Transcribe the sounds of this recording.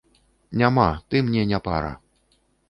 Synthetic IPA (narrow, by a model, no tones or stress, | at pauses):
nʲamat̪ɨmnʲɛnʲapa̰ɾɐ̰